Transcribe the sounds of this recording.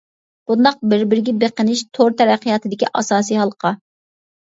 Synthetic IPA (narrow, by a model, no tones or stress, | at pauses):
b̥und̪ɑq̚bɪɾbɪɾɪɡʲɛbeqənɪʃt̪ʰoɾt̪ʰɛɾæqʰːijɑt̪ʰɨd̪ɪkʲiʔɑsɑːsijɦɑlˠəqʰɑ